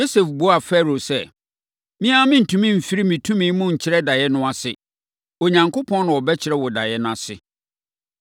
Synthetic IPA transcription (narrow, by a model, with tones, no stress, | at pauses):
jo˦se˨fbo˦a˨fɛ˦˨ɾo˨sɛ˦˨ | mĩ˦a˦mɪ̃˦n̩˨tʰũ˦mĩ˦m̩˨fi˦ɾi˦mĩ˨tʰũ˦mĩ˦mʊ̃˦ɲ̩˨t͡ɕʰɪ˦ɾɛ˦da˨jɛ˦nʊ̃˦a˨sɪ˨ | o˨ɲã˨ŋkʰo˦pʰɔ̃˦n˦nʊ̃˨ɔ˨bɛ˦t͡ɕʰɪ˨ɾɛ˦wɔ˨da˨jɛ˦nʊ̃˦a˨sɪ̰˨